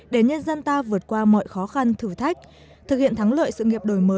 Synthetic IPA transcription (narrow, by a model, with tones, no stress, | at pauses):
ɗe˧˩ɲə˧nzə˧nt̪aː˧vɨ˨˩ət̚kwaː˧mɔ̰˧˨jxɔ˨˦xa˧nt̪ʰɨ˧˩t̪ʰa˦˥jk̚ | t̪ʰɨ˨˩k̚hḭ˧˨ənt̪ʰa˨˦ŋlə̰ː˧˨jsɨ̰˧˨ŋi˨˩əp̚ɗo˧˩jməː˨˦